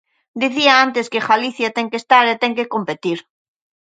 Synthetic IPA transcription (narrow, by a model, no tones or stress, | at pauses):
d̪iθiaant̪eskexaliθjat̪eŋkest̪aɾet̪ɛŋkekompet̪iɾ